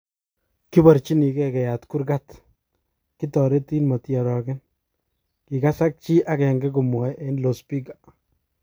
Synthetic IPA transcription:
ki˦ba˨ɾt͡ʃi˦ni˨kɛ˦kɛ˨ja˨tku˦ɾkat | ki˦tɔ˨ɾe˦ti˦nma˨tjɔ˨ɾɔ˨kɛ˦n | ki˨ka˦sa˦k̚t͡ʃi˦ʔa˦kɛ˨ŋɡɛ˦k̬u˨mɔ˨jʔe˦nlo˨spi˦ka

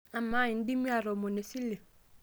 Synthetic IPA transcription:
a˨mã˨˦ɲĩ˨n̩˦di˦mĩ˦a˨ɾɔ˨mõ˨ne˨si˦le˨

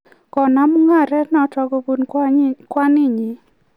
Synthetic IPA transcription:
kɔ˨na˦mu˦ŋa˦˨ɾɛ˦nɔ˨˦tɔ˨˧ɡo˧bu˦nkwa˦nɪ˦˨ɲi˨

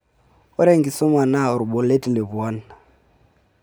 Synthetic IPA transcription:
ʊ˦ɾe˦ŋɡi˨sɔ˦ma˨na˦˨ʊ˨ɾʊ˨bɔ˨le˦ti˨le˨bu˨ɔ˦n

